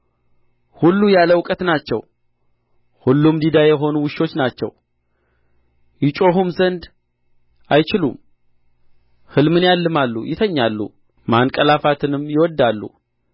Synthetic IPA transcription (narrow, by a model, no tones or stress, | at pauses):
hulːujaləwkʼət̪nat͡ʃːɛ̰w | hulːumd̪id̪ajɛɦo̞nuwɨʃo̞t͡ʃːnat͡ʃːɛ̰w | jɪt͡ʃʼo̞ɦumzənd̪ | ʔajt͡ʃɪlṵm | hɨlmɨnjalːɨmalːṵjɪt̪ʰəɲːalːṵ | maŋkʼəlafat̪ʰɨnɨmːjɪwɔd̪ːalːṵ